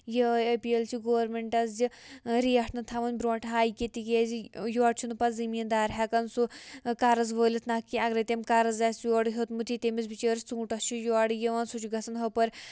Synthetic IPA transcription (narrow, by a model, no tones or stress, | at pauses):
jeepielt͡ʃʰiɡoːʋɾmeɳʈɐsd͡ʒiɾiɐʈnɐt̪ʰaʋɐnʲbɾoːʈɦaːjket̪ikezijuaːɽt͡ʃʰinɨpɐzimiːnd̪aːɾɦakɐnsukaːɾɐzʋəːlʲit̪ʰnakiaɡɾet̪ʲemkaːɾɐzasjoːɽɦɐt̪mut̪ʰit̪ʲemisbit͡ʃəːɾt͡suːʈɐst͡ʃʰijuaɽjiʋɐnsut͡ʃʰiɡɐsɐnɦɐpɐɾ